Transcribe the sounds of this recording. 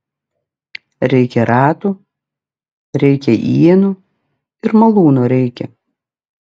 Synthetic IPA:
ɾʲɛɪkʲɛɾɑːt̪u | ɾʲɛɪkʲɛʔiɛnuː | ɪɾmɐlˠuːnoɾʲɛɪkʲɛ̰

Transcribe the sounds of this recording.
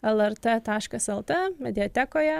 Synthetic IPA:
ɛlˠɛɾt̪ət̪ɑːʃkɐsɛlˠt̪əmʲɛd̪ʲɪɔt̪ʲɛkoːjɛ

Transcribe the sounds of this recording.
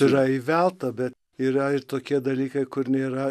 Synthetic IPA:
ɪɾɐiʋʲɛlˠt̪ɐbʲɛt̪ | iːɾɐɪɾt̪oːkʲiɛd̪ɐlʲiːkɐɪkʊɾnʲeːɾɐ

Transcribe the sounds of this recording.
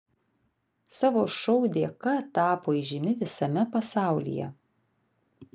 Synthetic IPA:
sɑːʋoːʃɔʊd̪ʲeːkɐt̪ɑːpoːiːˑʒʲɪmʲɪʋʲɪsɐmʲɛpɐsɑˑʊlʲḭjɛ̰

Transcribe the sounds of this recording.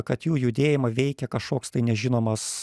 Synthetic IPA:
kɐt̪juːjʊd̪ʲeːjɪmɐʋʲɛɪkʲɛkɐʃkoːkst̪ɐɪnʲɛʒʲɪnoːmɐs

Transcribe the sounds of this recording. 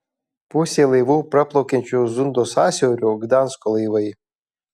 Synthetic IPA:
pʊsʲelˠɐjʋuːpɾɐplˠowkʲɛnʲt͡ʃʲuzʊnd̪oːsaːsʲɛwɾʲuɡd̪anskɔlˠɐjʋɐj

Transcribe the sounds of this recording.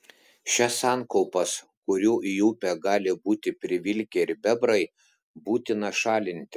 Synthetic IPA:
ʃʲɛsɑːnkɔʊpɐs | kʊɾʲuːʔjuːpʲɛɡɑːlʲɪbuːt̪ʲɪpʲɾʲɪʋʲɪlʲkʲɛɪɾbʲɛbɾɐɪ | buːt̪ʲɪnɐʃɑːlʲɪnʲt̪ʲɪ

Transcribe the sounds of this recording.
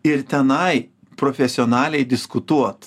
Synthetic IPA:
ɪɾt̪ʲɛnɐɪ | pɾoːfʲɛsʲɪoːnɑːlʲɛɪd̪ʲɪskʊt̪uɔt̪

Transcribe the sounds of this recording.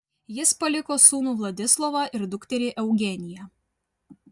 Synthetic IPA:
jɪspɐlʲɪkoːsuːnuːʋlˠɐd̪ʲɪslˠɔʋɑʔɪɾd̪ʊkt̪ʲɛɾʲeːʔɛʊɡʲɛnʲɪjɛ

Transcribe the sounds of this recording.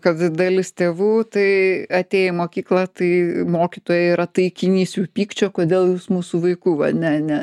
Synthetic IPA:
kɐt̪d̪ɐlʲɪst̪ʲeːʋuːt̪ɐɪɐt̪ʲeːjɛmoːkʲiːklˠɐt̪ɐɪmoːkʲit̪oːjɛɪɾɐt̪ɐɪkʲɪnʲiːsʲjuːpʲiːkt͡ʃʲoːkoːd̪ʲeːlˠjuːsmuːsuʋɐɪkuːʋɐnʲɛɐnʲɛ

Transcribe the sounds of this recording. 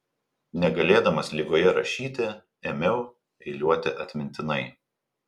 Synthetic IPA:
nʲɛɡɐlʲeːd̪ɐmɐslʲɪɡoːjɛɾɐʃʲiːt̪ʲɪ | eːmʲɛʊ | ɛɪlʲuɔt̪ʲɪʔɐt̪ʲmʲɪnʲt̪ʲɪnɐɪ

